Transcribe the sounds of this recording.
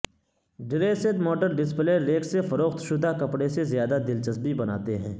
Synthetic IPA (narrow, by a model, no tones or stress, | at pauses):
ɖɪɾeːset̪mɔːʈəɾɖɪspleːɾːeːksefɐɾoːxt̪ʃʊd̪ʱakɐpɽesezjaːd̪ad̪ɪlt͡ʃəsbibɐna̰ːt̪eɦɛ̰̃ː